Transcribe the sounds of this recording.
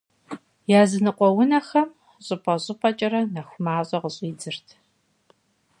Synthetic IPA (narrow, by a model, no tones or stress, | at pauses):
jaːzɨnɨqʷʼɔwʊnɐxɐm | ɕʼɨpʼɐɕʼɪpʼɐt͡ʃʼɐɾɐnɐxʷmaːɕʼɐʁəɕʼiːd͡zɨrtʰ